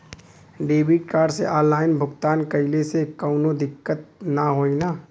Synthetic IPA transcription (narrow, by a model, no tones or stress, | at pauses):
ɖeːbiːʈ̚kaːɾɖsḛʔɔːlaːɪnbʱʊɡt̪aːnkɐɪlesekaʊnod̪ɪkːət̪̚naɦoːinaː